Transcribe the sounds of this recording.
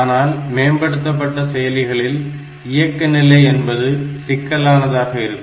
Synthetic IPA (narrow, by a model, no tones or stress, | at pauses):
naːlmeːmbɐɽɯt̪ːɐpːɐʈːɐsɛjɐlɪɣɐɭɪl | ɪjɐkːɐnɪlːɐɪɛnbɐðɯsɪkːɐlaːnɐðaːɣɐɪɾɯkː